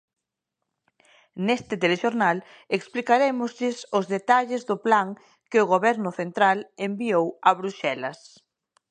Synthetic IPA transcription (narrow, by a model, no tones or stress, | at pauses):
nest̪ɪt̪eleʃoɾnal | eksplikaɾemʊzʎɪsʊzðet̪aʎɪzðʊplaŋ | kɪʊɣoβɛɾnʊθent̪ɾalembiowɐβɾuʃɛlɐs